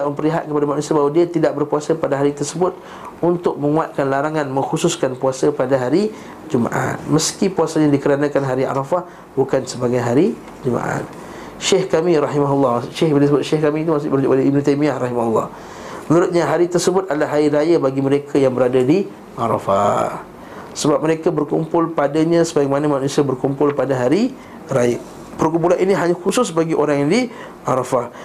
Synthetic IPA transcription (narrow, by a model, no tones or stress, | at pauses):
daʔməmpərliɦat̪̚kəpadamaʔknusiabawadiat̪idaʔ̚bərpuasəpadaɦaɾit̪ərsəbʊt̪̚ | unt̪ʊk̚mə̃ŋuat̪̚kanlaɾaŋanmə̃ŋxususkanpuasəpadaɦaɾi | d͡ʒuma̰ʔa̰t̪̚məskipuasaɲãdikəɾanãkanɦaɾia̰ɾɑfah | bukansəbaɡajɦaɾi | d͡ʒuma̰ʔa̰t̪̚ | ʃehkamiɾɑɦimaɦulːɑhʃɪhbnd̪səbʊt̪̚ʃehkamit̪umasʊʔbəɾud͡ʒʊk̚ʔbalaibnũt̪ajmiahɾɑɦimaɦulːɑ̰h | məŋuɾʊt̪̚ɲaɦaɾit̪ərsəbʊt̪̚alaɦaɾiɾajabaɡiməɾekʰajaŋbəɾadadi | ʔaɾa̰fa̰ | səbap̚məɾekabərkumpʊlpadaɲãsəbamanamanusiabərkumpʊlpadaɦaɾi | ɾaja | pərkumpulaniniɦaɲaxusʊsbaɡiʔoɾaŋjdi | ʔaɾafah